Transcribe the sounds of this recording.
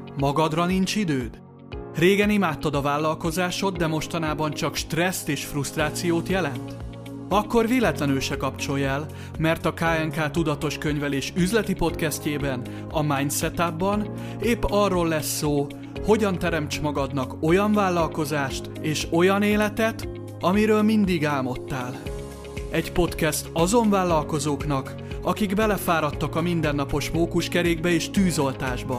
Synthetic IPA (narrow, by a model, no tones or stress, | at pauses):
mɒɡɒd̪rɒnint͡ʃid̪øːd̪ | reːɡɛnimaːt̪ːɒd̪ɒvaːlːɒlko̞zaːʃo̞t̪d̪ɛmo̞ʃt̪ɒnaːbɒnt͡ʃɒkʃt̪rɛst̪eːʃfrust̪raːt̪sijoːt̪jɛlɛnt̪ | ɒkːo̞rveːlɛt̪lɛnøʃɛkɒpt͡ʃo̞jɛːl | mɛrt̪ɒkaːɛŋkaːt̪ud̪ɒt̪o̞ʃkøɲvɛleːʃyzlɛt̪ipo̞t̪kɛsceːbɛn | ɒmaɲsɛt̪abːɒn | eːpːɒrːo̞lːɛsːoː | ho̞ɟɒnt̪ɛɾɛmt͡ʃmɒɡɒd̪nɒko̞jɒɱvaːlːɒlko̞zaːʃt̪eːʃo̞jɒneːlɛt̪ɛt̪ | ɒmiɾøːlmind̪iɡaːlmo̞t̪ːaːl | ɛɟpo̞t̪kɛst̪ɒzo̞ɱvaːlːɒlko̞zoːknɒk | ɒkiɡbɛlɛfaːɾɒt̪ːɒkɒmind̪ɛnːɒpo̞ʃmoːkuʃkɛɾeːɡbɛeːʃt̪yːzo̞lt̪aːʒbɒ